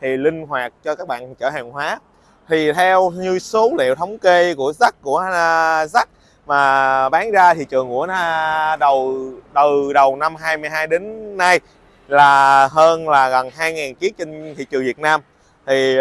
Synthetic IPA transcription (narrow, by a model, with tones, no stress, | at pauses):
t̪ʰi˨˩lï˧ŋ̟ɦwaː˨˩t̚t͡ɕɔ˧kaː˦˥k̚ɓa̰ː˧˨nt͡ɕəː˧˩haː˨˩ŋɦwaː˨˦ | t̪ʰi˨˩t̪ʰɛ˧wɲɨ˧so˨˦lḛ˧˨wt̪ʰə˨˦wŋ͡mke˧ku˧˩əza˦˥k̚ku˧˩əza˦˥k̚ | maː˨˩ɓaː˨˦nzaː˧t̪ʰḭ˨t͡ɕɨ˨˩əŋːṵ˧˩˥əa˧ɗə˨˩wɗə˨˩ɗə˨˩wna˧mɦaː˧jmɨ˧jɦaː˧jɗe˨˦nːa˧j | laː˨˩ɦəː˧nlaː˨˩ɣə˨˩nɦaː˧jŋaː˨˩nki˨˦ək̚t͡ɕï˧ŋt̪ʰḭ˧˨t͡ɕɨ˨˩əŋvi˨˩t̚naː˧m | t̪ʰi˨˩